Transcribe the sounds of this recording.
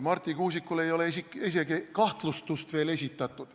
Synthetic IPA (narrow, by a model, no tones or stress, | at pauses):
mɑrt̪ʲikuːsikːule̞jo̞lesikes̬eɡekɑht̪lust̪ust̪ve̞ːle̞sʲit̪ːˑɑt̪ːˑud̪̥